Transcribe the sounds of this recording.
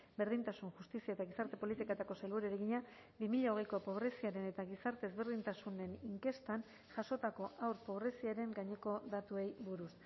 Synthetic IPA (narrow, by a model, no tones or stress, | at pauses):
be̞ɾðint̪asunʝust̪isiaet̪aɣ̞isaɾt̪e̞po̞lit̪ikat̪ako̞sajlβuɾeɾeɣiɲa | bimiʎao̞ɣ̞ejko̞po̞β̞ɾe̞siaɾe̞ne̞t̪aɣisaɾt̪e̞ːzβe̞ɾð̞int̪asune̞niŋke̞st̪an | ʝaso̞t̪ako̞ʔawɾpo̞βɾe̞siaɾe̞ŋɡaɲe̞ko̞ðat̪ue̞jbuɾus